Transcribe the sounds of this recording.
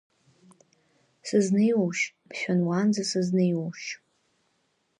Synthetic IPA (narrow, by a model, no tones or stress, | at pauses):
sɨznɨjwuʃbʰʃʷᶣanwand͡zasɨznɨjwuʃ